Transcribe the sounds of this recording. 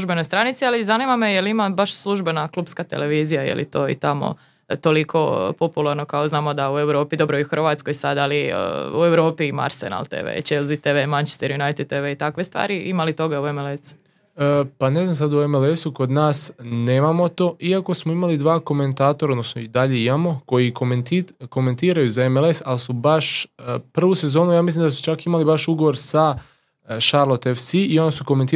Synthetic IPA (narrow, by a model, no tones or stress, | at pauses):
sluʒbenojst̪ɾanit̪sializanimamejelimabaʃslˠuʒbe̞naklˠuːbpskat̪e̞̰le̞ʋiːzijajḛlḭt̪o̞ːḭt̪amo̰ | t̪o̞likʰo̞po̞pulˠaɾno̞kaoznaːmo̞d̪aue̞wɾo̞ːpid̪o̞bɾo̞iuxərɾʋaːt̪skojsad̪aliə̰ṵe̞wɾo̞ːpiːma̰ɾsḛna̰lˠt̪ḛʋḛt͡ʃelzit̪eʋemant͡ʃe̥st̪eɾjunajt̪ed̪̚t̪eʋeit̪akʋe̞st̪ʋa̰ːɾiʔimalit̪o̞ɡauemelesu̥ | pane̞znamsad̪uemelesuko̞d̪naːsne̞ːmamo̞t̪o̞ːʔiako̞smoimalid̪ʋaːko̞me̞nt̪aːt̪oɾaod̪no̞snoid̪aʎe̞imamo̞ko̞jikomnt̪iko̞me̞nt̪iːɾajuzaemelesalsubaʃpr̩ʋuse̞zo̞ːnujaːmislimd̪asu̥t͡ʃakimalibaʃuɡo̞ʋo̞ɾsa | ʃaɾlo̞t̪efsiio̞nasuko̞ment̪iː